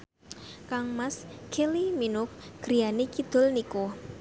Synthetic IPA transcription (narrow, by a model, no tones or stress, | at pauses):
kaŋmaskʰeliminʊk̚ɡ̥ɾijanekid̪̥ʊ̤lniko